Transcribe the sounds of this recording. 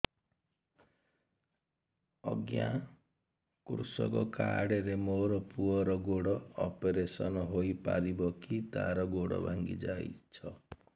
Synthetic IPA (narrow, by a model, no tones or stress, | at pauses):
ʌɡja | kuɾsɔ̰kɔkaɽeɾemoɾɔpuɔɾɔɡoɽɔːpeɾesɔnɦojpaɾibɔkit̪a̰ɾɔɡoɽɔ̰bʱaŋɡḭd͡ʒajt͡ʃʰʌ